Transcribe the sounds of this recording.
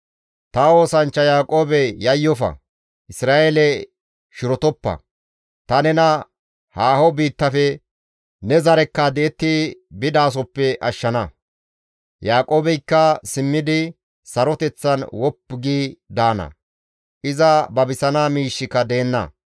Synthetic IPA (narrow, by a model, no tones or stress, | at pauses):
t̪ɐo̞ːsɐnt͡ʃːɐjaːkʼo̞ːbɛjɐjːɔfɐ̰ | ʔɪsɾaːʔelɛ | ʃɪɾɔt̪ɔpːɐ̰ | t̪ɐnɛnɐ | haːhɔbiːt̪ːɐfɛ | nɛzɐɾɛkːɐd̪ɛɛt̪ːɪbɪd̪aːs̬ɔpːɛʔɐʃːɐnɐ | jaːkʼo̞ːbɛjkːɐsɪmːɪd̪ɪ | sɐɾɔt̪ɛt͡sːɐnwɔpːɡiːd̪aːnɐ̰ | ʔɪzɐbɐbɪsɐnaːmiːʃːɪkɐd̪eːnːɐ̰